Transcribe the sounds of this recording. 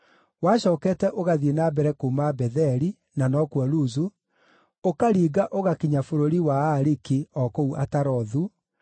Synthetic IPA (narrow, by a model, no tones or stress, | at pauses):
waɕɔːkɛːtɛʔoɣaðienabɛɾɛkomabɛðɛɾi | nanɔkwaluzu | okaɾiːɡaʔoɣakiɲafoɾoɾiwaaɾikiɔkouʔataɾɔðu